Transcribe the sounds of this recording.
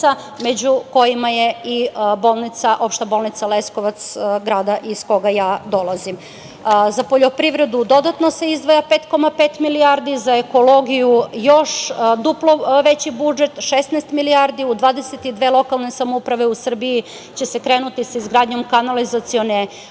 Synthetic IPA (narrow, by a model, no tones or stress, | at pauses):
a | med͡ʑuko̞jimajeibo̞lˠnit̪saʔo̞pʃt̪abo̞lˠnit̪saleskoʋat̪sɡɾaːd̪aʔisko̞ɡajaːd̪o̞lˠazim | zapoʎo̞pɾiʋɾe̞d̪ud̪o̞d̪at̪nose̞izd̪ʋajapeːt̪ko̞mape̞ːt̪miliaɾd̪izaeko̞lo̞ɡijujo̞ʃd̪uplo̞ʋet͡ɕibud͡ʒe̞t̪ʃesnaːst̪miliaɾd̪iud̪ʋaːd̪eset̪id̪ʋeːlˠo̞kalˠne̞samoupɾaʋe̞usr̩bii | t͡ɕe̞sekɾeːnut̪isaizɡɾaːd̪ɲo̞mkanalizat̪sione